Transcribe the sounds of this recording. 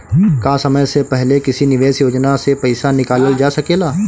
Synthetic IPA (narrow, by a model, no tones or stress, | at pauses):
kaːsɐməjsepɛɦlekɪsinɪʋeːsjoːd͡ʒnasepɛɪsanɪkaːləld͡ʒaːsɐkeːlaː